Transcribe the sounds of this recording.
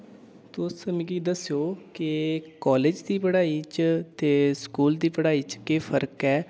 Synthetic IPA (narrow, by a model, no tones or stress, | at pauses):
t̪ʊsəmĩɡid̪əsjoːkɪkɔːleːd͡ʒd̪iːpəɽaːiːt͡ʃt̪eːskuːld̪iːpəɽaːiːt͡ʃkeːpʰəɾəkɛː